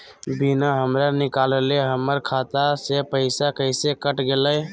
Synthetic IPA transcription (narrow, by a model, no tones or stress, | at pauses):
binaɦəmɾanɪkaleleɦəmːəɾkʰat̪asepəɪsakəɪsekəʈɡeləj